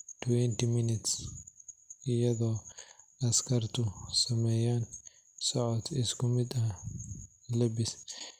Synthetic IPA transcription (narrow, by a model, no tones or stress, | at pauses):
t̪uwɛnt̪iminɪt̪s | jɐd̪oːɐskɐɾt̪usɐmɐjan | sɔʕɔt̪ɪskʊmɪt̪ɐ | lɐbːɪs